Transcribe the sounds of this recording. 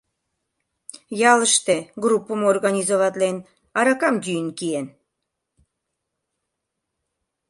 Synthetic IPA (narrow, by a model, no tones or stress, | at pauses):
jɑləʃt̪eɡrupːəmorɣɑnʲizovɑt̪len | ɑɾɑkɑmd̪ʲyjənkien